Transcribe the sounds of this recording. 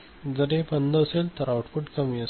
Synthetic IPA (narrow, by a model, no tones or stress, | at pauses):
d͡zəɽepənd̪əselt̪əɾawʈfuʈkəmiəs